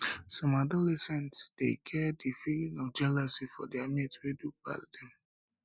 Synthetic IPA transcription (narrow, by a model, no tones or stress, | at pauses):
sɔ̃madɔlɛsɛ̃ntsd̥ḛkʰɛdifilinɔfd͡ʒɛlasifɔ̰diamitweduba̰ldɛ̃m